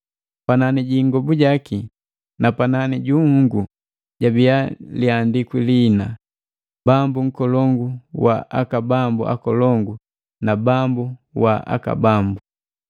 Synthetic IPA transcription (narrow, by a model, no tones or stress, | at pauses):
pananiɟiŋɡɔbuɟaki | napananiɟuŋhuŋɡu | ɟabialiandikwilina | bambuŋ̩kɔlɔŋɡuwa̰ʔakabambṵʔa̰kɔlɔŋɡu | nabambuwaʔa̰ka̰bambu